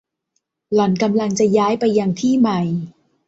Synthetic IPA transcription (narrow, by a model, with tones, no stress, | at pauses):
lɔ˨˦nka˧mla˧ŋt͡ɕa˨˩jaː˦˥jpa˧jːa˧ŋt̪ʰiː˥˩ma˧˩j